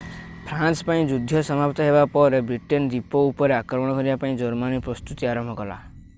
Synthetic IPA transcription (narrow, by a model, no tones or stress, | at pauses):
pʰɾanspaĩd͡ʒud̪ʱːɔsɔmapt̪ɔɦebapɔɾebɾiʈend̪ipɔupɔɾeakɾɔɔɽ̃ɔkɔɾibapaĩd͡ʒɔɾmanipɾɔst̪ut̪iaɾɔmbʱɔkɔla̰